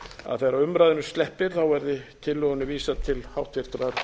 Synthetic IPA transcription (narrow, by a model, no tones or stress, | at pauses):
a̰ðθejɾaʏmɾajðʏnʏst̪lɛhpɪɾ̥θawvɛɾðɪt̪ʰɪlːœɣʏnːʏviːsat̪ʰɪlhawht̪vɪɾ̥t̪ɾaɾ